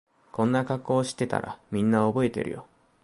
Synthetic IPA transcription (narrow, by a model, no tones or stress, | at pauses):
kõ̞nːakakːo̞ːɕi̥t̪ːe̞t̪a̰ɾʔa̰mʲĩnːao̞bo̞e̞t̪e̞̰ɾɯ̟̰jo̞